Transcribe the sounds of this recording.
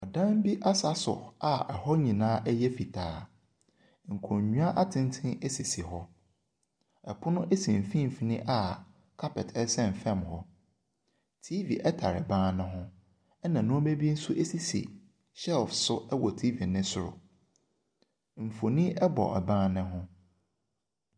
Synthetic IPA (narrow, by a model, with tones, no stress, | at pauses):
ɔ˨dã˦m˦bi˦ʔa˦sa˨sʊ̰˨a˨ɛ˨hɔ˦ɲĩ˨nãː˦ʔɛ˦jɛ˦fi˨tʰaː˨˦ | ŋ̩˨kʰõ˨ɲ˨ɲũ˦a˦ʔa˦tʰɪ̃˦n˦tʰɪ̃˦ne˦si˨si˨ɦɔ˦ | ɛ˨pʰʊ˦nʊ̃˦ʔɛ˦sĩ˨m˨fĩ˦˨fi˨nɪ̃˦ʔa˨ | kʰa˦pɛ˨tʰɛ˦sɛ̃˦˨n˨fɛ̃˦˨mhɔ˦ | tʰi˦vi˨ʔɛ˦tʰa̰˨ɾɛ˨bãː˦nɪ̃˦ɦʊ̃˦ | ɛ˦nã˨nʊ̃˦be˦bi˦n̩˦su˦ʔe˦si˦sḭ˨ | ɕɛ˦lfsʊ˦ɛ˦wɔ˨tʰi˦vi˨nɪ̃˦sʊ˦ɾʊ̰˨ | m̩˨fo˨nĩ˦ʔɛ˦bɔ̰˨ʔɛ̰˨bãː˦nɪ̃˦ɦʊ̃˦